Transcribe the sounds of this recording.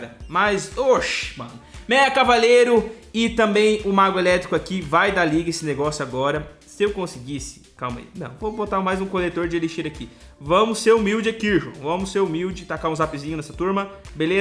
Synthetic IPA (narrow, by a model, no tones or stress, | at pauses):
ɾɐmajzoʃmɐ̰̃nʊmɛɐkavaleɾʊ | ɪt̪ɐ̃mbẽj̃ʊmaɡʊelɛt̪ɾikʊakivajd̪aliɡɐesɪneɡɔsjaɡɔɾɐ | sɪewkõsiɡisɪ̥kawmɐ̰ḭnɐ̰̃w̃vobot̪amajzũkolet̪oɾd͡ʒɪeliʃeɾaki | vɐ̃mʊsːeɾumiwd͡ʒɪakiʒṵ̃vɐ̃mʊseɾumiwd͡ʒɪt̪akaɾũzapizĩɲʊnɛsɐt̪uɾmɐbele